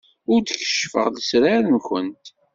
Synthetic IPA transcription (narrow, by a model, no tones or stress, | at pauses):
ʊɾd̪əçə̥ʃːfə̰ʁləsɾaɾənkənt̪